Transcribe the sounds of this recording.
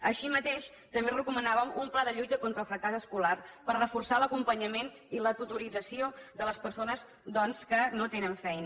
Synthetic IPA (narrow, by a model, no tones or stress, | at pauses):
əʃimət̪eʃ | t̪əmberəkumənaβəmumplaðəʎujt̪əkɔnt̪ɾəlˠfɾəkazəskularpərəfursaləkumpəɲəmen | ilət̪ut̪uɾid͡zəsioðələspəɾsonəz | d̪ɔnskənot̪enəɱfɛjnə